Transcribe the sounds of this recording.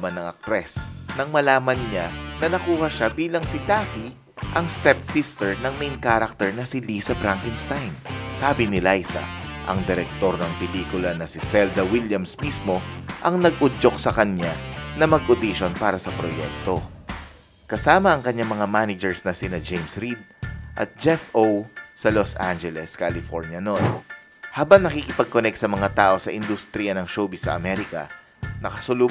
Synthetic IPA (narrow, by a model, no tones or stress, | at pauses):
mɐnːɐŋɐ̰k̚t̪ɾɛsnɐŋmɐlaːmɐnɲanɐnɐkuːhɐʃabiːlɐŋsɪt̪aːfi | ʔɐŋst̪ɛp̚sist̪ɛɹnɐŋmejnkaɾɐk̚t̪ɛɹnɐsɪliːsɐbɾaŋkɪnst̪ajnsaːbɪnɪlaɪsɐ̰ | ʔɐ̰ŋd̪ɛɾɛk̚t̪o̞ɾnɐŋpɪliːkʊlɐnɐsɪsɛld̪ɐwiljɐmsmismo̞ʔɐŋnɐɡ̚ʔʊd͡ʒo̞k̚sɐkɐɲanɐmɐɡʔʊd̪iʃonpaːɾɐsɐpɾojɛ̰k̚t̪o̞ | kɐsaːmɐɐŋkɐɲaŋmɐŋamanɪd͡ʒɛɹsnɐsɪnɐd͡ʒejmsɾid̪̚ʔɐ̰t̪̚d͡ʒɛfʔowsɐlosʔa̰nd͡ʒɛlɛskalɪfo̰ɾnjɐno̞n | haːbɐŋnɐkikɪpɐɡ̚konɛk̚t̪̚sɐmɐŋat̪aːʔo̞sɐʔɪnd̪ʊst̪ɾijɐnɐŋʃoːbisːɐ̰ʔɐmɛɾɪkɐ̰ | nɐkɐsʊlu